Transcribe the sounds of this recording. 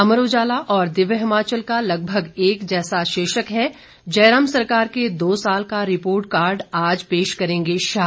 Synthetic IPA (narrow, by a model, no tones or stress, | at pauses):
ɐməɾoːd͡ʒaːlaʔɔːɾd̪ɪʋjəɦɪmaːt͡ʃəlkalɐɡ̚bʱəɡeːkd͡ʒɛːsaʃeːʃəkɦɛ | d͡ʒɐɪɾaːmsɐɾkaːɾked̪oːsaːlkaɾɪpoːɾʈ̚kaːɾɖaːd͡ʒpeːʃkɐɾẽːŋɡeʃaː